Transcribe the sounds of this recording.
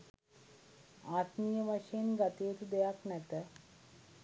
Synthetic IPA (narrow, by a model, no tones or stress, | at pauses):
aːt̪mijɐʋɐʃeːnɡɐt̪eːt̪ud̪ejaknɛt̪ɐ